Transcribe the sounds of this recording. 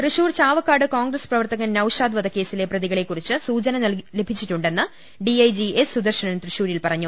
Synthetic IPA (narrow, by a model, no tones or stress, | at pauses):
t̪rɨɕuːrt͡ɕaːʋɐkːaːɽɨkoːŋɡrɐsprɐʋɐrt̪ɐɣɐnnɐwʂaːd̪ʋɐd̪ɐkːe̞ːsile̞prɐðiɣɐɭe̞kːurit͡ɕːɨsuːd͡ʑɐnɐnɐlle̞bʱit͡ɕːiʈːuɳɖe̞nːɨ | ɖiɐjd͡ʑiesːud̪ɐrɕɐnɐnt̪rɨɕuːɾilpɐrɐɲːu